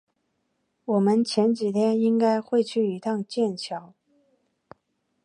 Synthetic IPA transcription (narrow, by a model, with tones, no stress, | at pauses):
wɔ˨˩mə˧˦nt͡ɕʰjɛ˧˥nt͡ɕi˨˩t̪ʰjɛ˥ni˥ŋka˥ɪxwe˥˧ɪt͡ɕʰy˥˩i˧˥t̪ʰɑ˥˧ŋt͡ɕjɛ˥˩nt͡ɕʰjɑ˧˥ʊ